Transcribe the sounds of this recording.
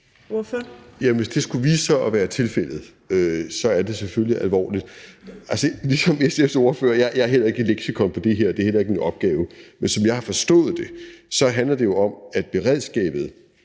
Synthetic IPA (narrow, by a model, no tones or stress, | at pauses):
fjæʋe̝sd̥e̝sɡ̥uʋiːsɒʔɒʋæːɐt͡sʰe̝lfel̰ð̞̩ˠ | øsɒ̽æɐd̥e̝seføljiʔælʋɒ̰ːlid̥ʔælsəlisɒ̽mesefso̝ɐfø̰ːɐjɑjɑ̈æɐɦel̰ɐe̝ɡ̥əleɡ̥sikʰɒ̽npʰɒ̽d̥e̝ɦeɐ̰d̥e̝æɐhel̰ɐe̝ɡ̥əminɒ̽b̥̚ɡ̥ɛːʊəmensɒ̽mjɑ̈ɪhɑ̈fɒ̽sd̥ɔ̰̽ːð̞̩ˠd̥e̝sɒ̽ɦænlɐd̥e̝jo̝ɒ̽mæd̥̚b̥e̝ʁeð̞̰ˠsɡ̥ɛ̰ːb̥ð̞̩ˠ